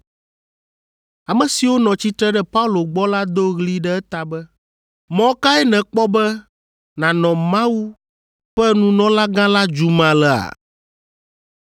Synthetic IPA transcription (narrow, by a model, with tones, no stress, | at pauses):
a˨mɛ̃˨si˨wo˦nɔ̃˨t͡ɕi˦t̪ɾɛ˦ɖɛ˦pa˦u˦lo˨ɡ͡bɔ˦la˦d̪o˦ɣli˦ɖɛ˦ɛ˦t̪a˨bɛ˦ | mɔ̃˦ka˦ɛ˦nɛ̃˨k͡pɔ˦bɛ˦ | nã˨nɔ̃˨mã˦wu˦ | ɸɛ˦nũ˦nɔ̃˦la˦ɡã˦la˦d͡ʒu˨mã˨lɛ˨a̰˨